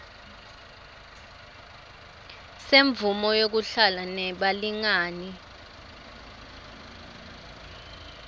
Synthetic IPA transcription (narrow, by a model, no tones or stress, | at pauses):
seɱbvumɔjok̬uɬalanɛɓaliŋaːni